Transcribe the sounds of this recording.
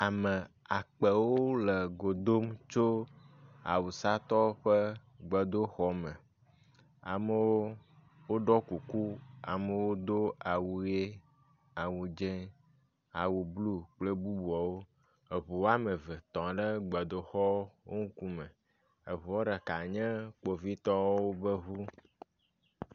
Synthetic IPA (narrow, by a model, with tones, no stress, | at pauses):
a˨mə˨a˨k͡pə˨wo˦lə˨ɡo˨d̪o˦mt͡ʃo˦ | a̰˨wu˨sa˦t̪ɔ˦ɸə˦ | ɡ͡bə˨d̪o˦xɔ˨mə̃˨ | a̰˨mə˨˦wo˦ | wo˦ɖɔ˦ku˨ku˦a˨mə˨wo˦d̪o˦a˨wu˨je˦ | a˨wu˨d͡ʒẽ˦ | a˨wu˨blu˦k͡ple˦bu˦bu˨ɔ˨wo˦ | e˨βu˨wo˦a˦mẽ˨vɛ˨t̪ɔ̃˨ɖɛ˦ɡ͡bə˨d̪o˨xɔ˦wo˦ŋũ˦ku˦mɛ̃˨ | e˨βu˨wo˦ɖa˨ka˨ɲɛ̃˦k͡po˨vi˦t̪ɔ˦wo˦bə˦βu˦